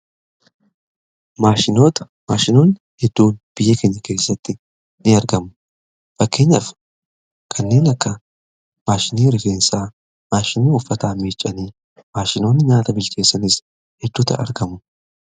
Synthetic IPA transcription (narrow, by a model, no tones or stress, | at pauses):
maːʃɪnot̪ɐ | maːʃɪnoːnɪhɛd̪ːuːnb̥ɪjːɛkeɲːɐke̞ːsːɐt̪ːɪ | nɪɐɾɡɐmʊ | fɐkːe̞ːɲːɐf | kʰɐnːe̞ːnɐkːɐ | maːʃɪniːɾɪke̞ːnsaː | maːʃɪniːʊfːɐt̪aːmiːt͡ʃʼːɐniː | maːʃɪno̞ːnːɪɲaːt̪ɐbɪlkʼe̞ːsːɐnɪs | hɛd̪̥ːuːt̪ɐ̰ɐ̰ɾɡɐmʊ